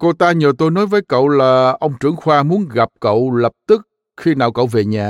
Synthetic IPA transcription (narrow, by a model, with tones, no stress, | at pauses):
ko˧t̪aː˧ɲəː˨˩t̪o˧jnɔ˨˦jvəː˨˦jkə̰˧˨wlaː˨˩ʔə˧wŋ͡mt͡ɕɨ˧˩əŋxwaː˧mu˨˦ənɣa˨˩p̚kə̰˧˨wlə˨˩p̚t̪ɨ˦˥k̚ | xi˧naː˧˩wkə̰˧˨wve˨˩ɲaː˨˩